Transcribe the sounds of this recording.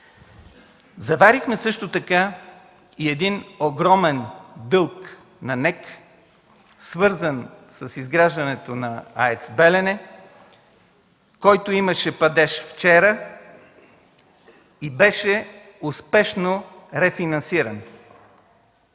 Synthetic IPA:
zɐvaɾixmɛsɤʃt̪ot̪ɐka | iɛd̪inoɡɾɔmɛnd̪ɤlˠk | nɐnɛk | svɤɾzənsəsizɡɾaʒd̪ɐnɛt̪onɐaɛt̪sbɛlɛnɛ | kɔjt̪oiməʃɛpɐd̪ɛʃft͡ʃɛɾə | ibɛʃɛ | ʊspɛʃno | ɾɛfinɐ̃nsiɾən

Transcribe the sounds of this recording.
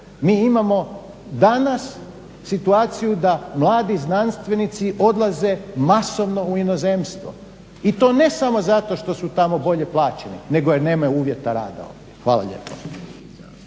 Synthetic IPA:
miːimamo̞ | d̪anas | sit̪uaːt̪sijud̪amlˠaːd̪iznanst̪ʋe̞nit̪siʔo̞d̪lˠaze̞masoʋno̞uinozemst̪ʋo̰ | it̪o̞ːne̞samo̞zat̪o̞ʃt̪o̞sut̪amo̞bo̞ʎe̞plˠaːt͡ɕenine̞ɡojeɾne̞ːmajuuːʋje̞t̪aɾa̰ːd̪a̰o̰ʋjexʋa̰ːlˠa̰ʎḛːpo

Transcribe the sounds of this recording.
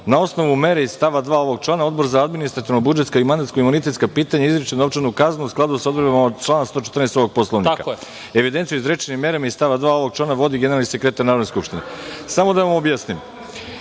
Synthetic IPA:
nao̞sno̞ʋume̞ɾeizst̪aʋad̪ʋaːo̞ʋo̞ɡ̚t͡ʃlˠaːnao̞d̪bo̞ɾzaad̪minist̪ɾat̪iʋnobud͡ʒe̞t̪skaimand̪at̪skoimunit̪e̞t̪skapiːt̪aɲaizɾit͡ʃent͡ʃenukaznuusklˠad̪usaod̪bɾbamaod̪t͡ʃlˠaːnast̪o̞ːt͡ʃet̪rnest̪o̞ʋo̞ɡ̚po̞slˠoʋnka̰ | e̞ʋid̪ent̪ijuizɾet͡ʃenimːe̞ɾamaizsst̪aʋad̪ʋaːo̞ʋo̞ɡ̚t͡ʃlaːnaʋo̞d̪iɡeneɾalˠnise̞kɾet̪aɾnaɾod̪neskupʃt̪inḛsamo̞d̪aʋamobjasnim

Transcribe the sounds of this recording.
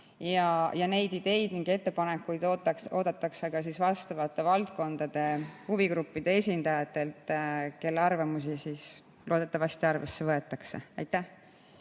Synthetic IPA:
jɑjɑne̞jd̪id̪̥e̞jd̪niŋɡe̞t̪ːe̞pɑne̞kːˑujd̪ot̪ːo̞ːd̪ɑt̪ːˑɑkseɡ̥ɑs̬isvɑst̪ɑvɑt̪ːˑe̞vɑlt̪̚ko̞nd̪̥ɑd̪̥e̞huviɡɾupːid̪̥e̞e̞sʲind̪ɑjɑt̪ːˑe̞lt̪ke̞lːɑrvɑmus̬isis | loːd̪̥et̪ːˑɑvɑst̪iɑrvesːevɤe̞t̪ːˑɑkse̞̰ɑjt̪ːˑæh

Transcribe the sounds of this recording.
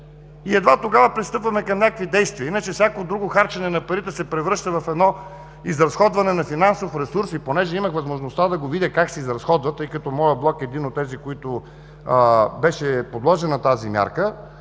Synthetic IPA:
iɛd̪vat̪oɡavɐpɾist̪ɤpvɐmɛkɐmnʲakəkvid̪ɛjst̪viəinət͡ʃɛfsʲakood̪ɾuɡoxaɾt͡ʃɐnɛnɐpɐɾit̪ɛsɛpɾɛvɾɤʃt̪əvɐfɛd̪nɔ | izɾɐsxɔd̪vɐnɛnɐfinansofɾɛsuɾsiponɛʒɛimɐxvɐzmoʒnost̪ad̪ɐɡovid̪ʲəkaksɛizɾɐsxɔd̪vɐt̪ɤjkɐt̪ɔmɔjəblˠɔkɛd̪inot̪ːɛzikoit̪o | bɛʃɛpod̪lˠɔʒɛnɐt̪azimʲja̰ɾkə

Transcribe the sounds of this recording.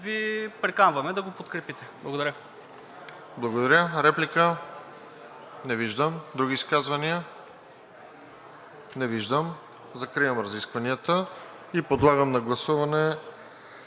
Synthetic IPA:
vipɾɛkanvɐmɛd̪ɐɡopot̪kɾɛpit̪ɛblˠɐɡod̪ɐɾʲə | blˠɐɡod̪ɐɾʲəɾɛplikə | nɛviʒd̪əmd̪ɾuɡ̟iːskazvɐniə | nɛviʒd̪əm | zɐkɾijəmɾɐziskvɐniət̪ə | ipod̪lˠaɡəmnɐɡlˠɐsuvɐnɛ

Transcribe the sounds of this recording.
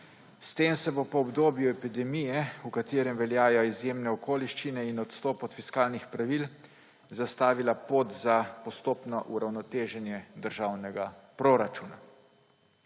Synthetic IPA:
st̪eːmsɛbopɔːbd̪oːbjuɛpid̪ɛmijɛukat̪eːɾɛmʋɛljaːjɔizjeːmnɛɔkoːliʃt͡ʃinɛinɔt̪st̪ɔːpɔt̪fiskaːlnixpɾaʋil | zast̪aːʋilapot̪zapɔst̪oːpnɔʔuɾawnɔt̪eːʒɛnjɛd̪əɾʒaːwnɛɡapɾoɾat͡ʃuːna

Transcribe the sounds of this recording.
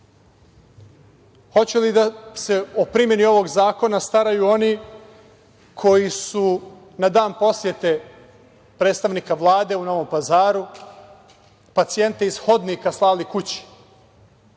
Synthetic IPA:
xo̞t͡ɕulid̪ase̞opɾimje̞nio̞ʋo̞ɡzaːko̞nast̪aɾajuo̞ni | kʰo̞jisu | nad̪aːnpo̞sje̞t̪e̞ | pɾeːt̪st̪aʋnikaʋlˠaːd̪e̞uno̞ʋo̞mpazaːɾu | pat̪sije̞nt̪eisxo̞d̪nikaslˠaːlikut͡ɕi̥

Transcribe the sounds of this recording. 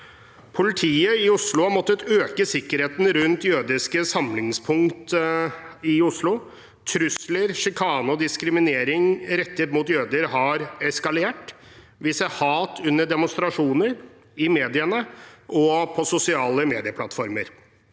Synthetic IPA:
pʰʊlɪt̪ʰiːəɪʊslʊɑmɔt̪ːət̪øːkəsɪkːəɾheːt̪n̩ɾʉnt̪jøːd̪ɪskəsɑmlɪŋspʰʊŋkt̪ | ɪʊslʊ | t̪ʰɾʉsləɾʂɪkʰɑːnʊd̪ɪskɾɪmɪneːɾɪŋɾɛt̪ːət̪muːt̪jøːd̪əɾhɑɾɛskɑleːʈ | ʋɪːsəhɑːt̪ʰʉnːəɖɛmʊnst̪ɾɑʂuːnəɾ | ɪmeːd̪ɪənəʔɔpʰɔsʊsɪɑːləmeːd̪ɪəpʰlɑt̪fɔɾməɾ

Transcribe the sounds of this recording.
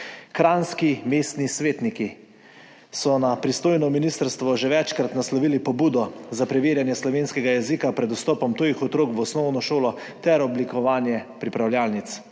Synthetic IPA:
kɾaːnskimest̪nisʋeːt̪niki | sɔnapɾist̪oːjnɔminist̪əɾst̪ʋɔʒɛʋɛt͡ʃkɾat̪naslɔʋilipɔbuːd̪ɔzapɾɛʋeːɾjanjɛslɔʋeːnskɛɡajɛzikapɾɛd̪ɔst̪ɔːpɔmt̪oːjixɔt̪ɾoːkʋɔsnɔwnɔʃoːlɔ | t̪ɛɾɔblikɔʋaːnjɛpɾipɾawljaːlnit̪s

